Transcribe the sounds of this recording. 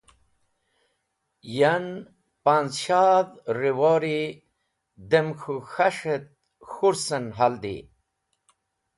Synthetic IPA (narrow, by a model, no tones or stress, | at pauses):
jan | panzɕaðɾiwoɾi | d̪emxʰuxaʂet̪̚ | xuɾsənɦald̪ḭ